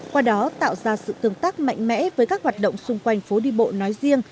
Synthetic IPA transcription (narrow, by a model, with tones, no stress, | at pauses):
kwaː˧ɗɔ˨˦t̪a̰ː˧˨wzaː˧sɨ̰˧˨t̪ɨ˧˩əŋt̪aː˦˥k̚ma̰˧˨jŋ̟mɛ̰˧˥vəː˨˦jkaː˦˥k̚hwaː˨˩t̚ɗə̰˧˨wŋ͡msʊ˧ŋ͡mkwa˧jŋ̟fo˨˦ɗi˧ɓo̰˧˨nɔ˨˦jzi˧əŋ